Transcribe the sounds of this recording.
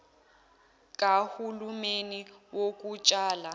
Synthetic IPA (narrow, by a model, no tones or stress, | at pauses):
kʼahulumeniwokʼut͡ʃʼaːla